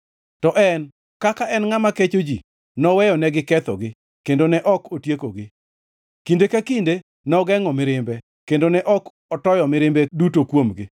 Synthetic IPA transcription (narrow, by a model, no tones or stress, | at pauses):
tɔʔɛn | kakaʔɛnŋamaket͡ʃod͡ʒi | nɔwɛjɔnɛɡɪkɛt̪ɔ̰ɡɪ | kendonɛʔɔkotjekoɡɪ | kindekakinde | nɔɡɛŋɔmɪɾɪmbɛ | kendonɛʔɔk | ɔtɔjɔmɪɾɪmbedutokwomɡɪ